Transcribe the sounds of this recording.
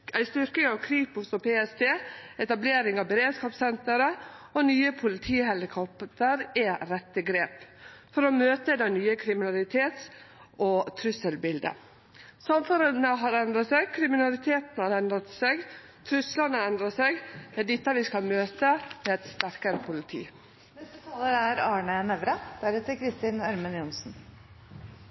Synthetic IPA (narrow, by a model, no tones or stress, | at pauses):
ʔæɪst̪ʏɾkɪŋɑʋkʰɾiːpʊsɔpʰeːɛst̪ʰeːɛt̪ɑbleːɾɪŋɑʋbəɾeːd̪skɑːpsɛnt̪əɾəonyːəpʰʊlɪt̪ʰiːhɛlɪkʰɔpt̪əɾɛɾɛt̪ːəɡɾeːpfɔɾɔmøːt̪əd̪ɑnyːəkʰɾɪmɪnɑlɪt̪ʰeːt̪sʔot̪ʰɾʉsəlbɪld̪ə̰ | sɑmføɾəlnəɦɑɾɛnd̪ɾɑsɛɡkʰɾɪmɪnɑlɪt̪ʰeːt̪nhɑɾɛnd̪ɾɑt̪sɛɡ | t̪ʰɾʉslɑnəɛnd̪ɾɑsɛɡ̪æɖɪt̪ːəʋɪskɑlmøːt̪əmɛɛt̪st̪æɾkəɾəpʰʊlɪt̪ʰḭː | nɛst̪ət̪ʰɑːləɾæɾɑːɳənɛʋɾəd̪æɾɛt̪ʰɪkʰɾɪst̪ɪnɑɾmənjʊnsn̩